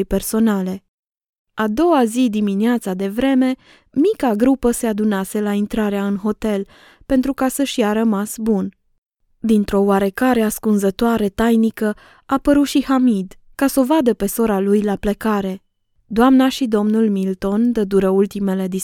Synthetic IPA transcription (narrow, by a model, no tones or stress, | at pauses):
jpe̞rso̞nale̞ | ad̪o̞azid̪imineat̪sad̪e̞vɾe̞me̞ | mikaɡɾupəse̞ad̪unase̞laint̪ɾaɾeaɨnɦo̞t̪e̞l | pe̞nt̪ɾukasəʃijaɾəmasbun | d̪int̪ɾo̞waɾe̞kaɾeaskunzət̪oaɾe̞t̪ajnikə | apəɾut̪ʃihamid̪ | kasovad̪əpe̞so̞ɾalujlaplekaɾe̞ | d̪oamnaʃid̪o̞mnulmilt̪o̞nd̪əd̪uɾəult̪ime̞le̞d̪i